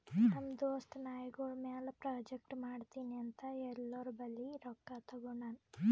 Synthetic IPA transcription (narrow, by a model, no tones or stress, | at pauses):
nɐmd̪oːsʈnaːjɡoɭmeːlɐpɾaːd͡ʒek̚ʈmaːɖt̪iːniɐnt̪ɐɛlːɐɾubɐlːiɾɔkːat̪ɐɡɔɳaːn